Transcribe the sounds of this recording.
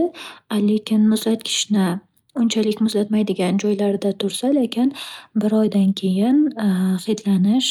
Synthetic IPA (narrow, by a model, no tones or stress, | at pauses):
alekʲʰɪnmʊzlat̪kʲʰɪ̥ʃnɪ | ʊnt͡ʃʰalɪkʲmʊzlat̪majd̪ɪɡʲand͡ʒɒjlaɾɪd̪at̪ʰʊɾsalekʲʰɪnbɪɾɒjd̪ankʲʰe̞jɪnhɨjd̪lanɪʃ